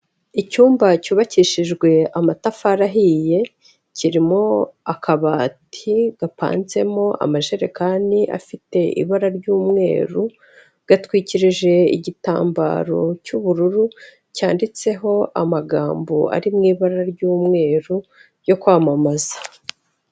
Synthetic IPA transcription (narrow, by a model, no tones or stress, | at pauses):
icuːmbacuːβaciʃiʒɡwe̞amatafaɾaɦije̞ | ciɾimo̞akʰaβaːtʰiɡ̥apa̰ːnze̞mo̞a̰maʒe̞ɾekaːniʔa̰fite̞ʔḭβaɾaɾɟuːmŋe̞̰ːɾu | ɡ̥atwiːciɾiʒe̞ḭɟita̰ːmba̰ɾo̞̰cuβuɾuɾu | caːndit͡se̞ɦo̞ʔamaɡaːmbo̰a̰ɾimŋiːβaɾaɾɟuːmŋe̞ːɾu | jo̞kwaːmamazḁ